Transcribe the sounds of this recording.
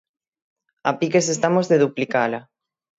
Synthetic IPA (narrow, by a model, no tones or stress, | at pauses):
apikes̬est̪amozðeðuplikala